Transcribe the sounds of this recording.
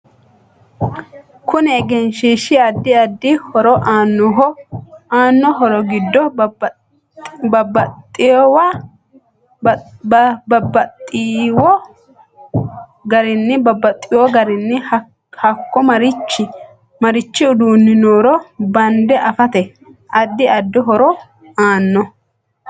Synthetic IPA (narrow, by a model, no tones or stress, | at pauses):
kʊnɛɛɡɛnʃiːʃɪɐd̪ːɪɐd̪ːɪhɔɾɔʔaːnːɔɦɔaːnːɔɦɔɾɔɡɪd̪ːɔ | bɐbɐt̪ʼːɪjɔwa | ɐbɐt̪ʼːɪwɔ | ɡɐɾɪnːɪbɐbːɐt̪ʼːɪwɔɡɐɾɪnːɪ | hɐkːɔmɐɾɪt͡ʃːɪ | mɐɾɪt͡ʃːɪʊd̪uːnːɪnoːɾɔbɐnd̪ɛʔɐfɐt̪ɛ | ʔɐd̪ːɪɐd̪ːɪɦɔɾɔ | aːnːɔ